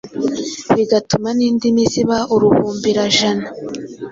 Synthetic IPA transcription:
βiɡatumaniːndimiziβauɾuhuːmbiɾaʒana

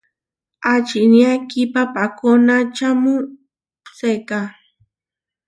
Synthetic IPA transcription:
at͡ʃinjakipapakonat͡ʃamʊ | seka

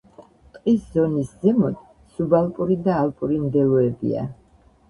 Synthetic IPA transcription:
t̪ʼqʼiszɔnisd̪zɛmɔd̪ | subalˠpʼuɾid̪aːlpʼuɾimd̪ɛluɛbḭa̰

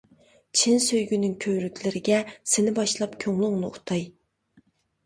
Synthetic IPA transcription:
t͡ʃʰinsøjɡʲynyŋkʲʰøwɾykʲlɪɾɪɡʲɛsɪnɪbɑʃlˠɑpkʲʰøŋlˠʊŋnɨṵt̪ʰɑj

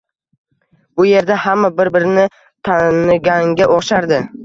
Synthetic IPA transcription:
bʊje̞ɾd̪ahamːabɪɾbɪɾɪnɪ | t̪ʰanɪɡʲaŋɡʲaʔoqʃaɾd̪ɪ

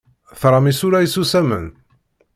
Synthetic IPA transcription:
θɾˤɑmisuɾæisusæmə̰n

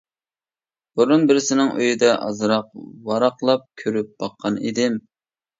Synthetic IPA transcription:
b̥uɾunbɪɾɪsɪnɪŋʔø̰jid̪ɛʔɑ̰zɾɑqwɑɾɑqlˠɑp̚kʲʰøɾyp̚b̥ɑqʰːɑnḭd̪ɪm

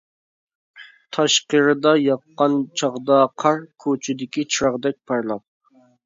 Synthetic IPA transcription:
t̪ʰɑʃqəɾɨd̪ɑjɑqːɑnt͡ʃʰɑʁd̪ɑqʰɑɾkʲʰot͡ʃʰɪd̪ɪkʲit͡ʃʰɾɑʁd̪ɛk̚ʲpʰɑɾlˠɑp̚

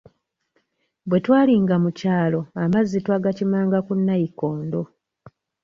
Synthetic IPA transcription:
bwe̞twaːliŋɡamucaːlo̞amazːitwaɡacimaːŋɡakunːajiko̞ːndo̞

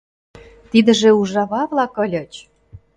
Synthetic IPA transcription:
t̪id̪ə̆ʒĕuʒɑβɑβlɑkɤ̆lʲɤ̆t͡ɕ

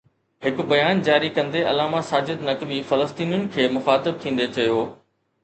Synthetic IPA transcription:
ɦɪkʊ̆bɐjaːnd͡ʑaːɾikɐ̃nd̪eɐlaːmasaːd͡ʑɪd̪nɐkbifɐləst̪iːnjʊnɪ̆kʰeːmʊxaːt̪ɪb̚t̪ʰĩːn̆d̪et͡ɕɐjoː

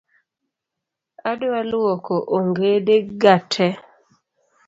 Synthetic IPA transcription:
adoalwɔkɔʔoŋɡedeɡatʰɛ

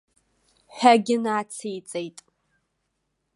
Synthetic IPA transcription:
ħʷᶣaɡʲɪnaːt͡sʰijt͡sʼejtʼ

